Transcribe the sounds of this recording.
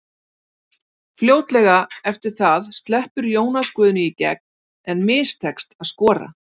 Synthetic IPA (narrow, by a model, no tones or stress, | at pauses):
fljoːwt̪lɛɣaɛft̪ɪɾ̥θaðst̪lɛhpʏɾjoːwnaskvœːðʏnʏicɛ̰k̚n | ɛnmɪːst̪ʰɛkst̪aðskɔːɾa̰